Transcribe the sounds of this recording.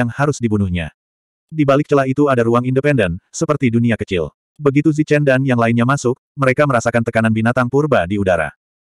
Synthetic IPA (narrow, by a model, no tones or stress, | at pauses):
aŋhaɾʊsdibunuhɲa̰ | dibalɪk̚t͡ʃəlait̪uadaɾuaŋindəpɛndənsəpərt̪iduniakət͡ʃɪ̰l | bəɡit̪uzit͡ʃɛndanjaŋlaɪnɲamasʊk̚məɾekaməɾasakant̪əkananbinat̪aŋpurbadiudaɾa̰